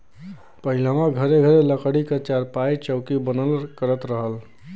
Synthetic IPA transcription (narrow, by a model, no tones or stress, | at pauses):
pəɦɪlãmãɡʱəɾeɡʱəɾeləkəɽikət͡ʃaɾpait͡ʃəʊkibənəlkəɾət̪ɾəɦəl